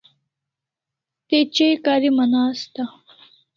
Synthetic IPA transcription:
t̪et͡ɕejkɑːɾimɐnaːst̪a

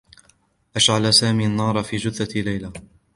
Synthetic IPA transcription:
ʔaʃʕalasaːmiːʔanːɑːɾˤɑfiːd͡ʒʊθalajla

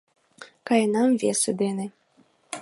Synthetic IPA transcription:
kɑjnɑmvʲesɘd̪enĕ

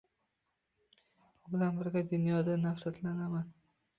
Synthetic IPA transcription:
ʊbɪlanbɪɾɡʲad̪ʊnjɒd̪anafɾat̪lanaman

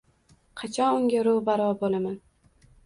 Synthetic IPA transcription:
qʰɑt͡ʃʰɒnʊŋɡʲaɾʊbaɾɒbolaman

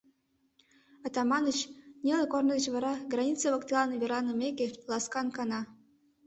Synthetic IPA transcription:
ɑt̪ɑmɑnət͡ɕnʲelekornəd̪ə̆t͡ɕβɑɾɑɡrɑnʲit͡səβəkt̪ʲlˠɑnɤvʲeɾɑnəmʲekʲelɑskɑnkɑnɑ

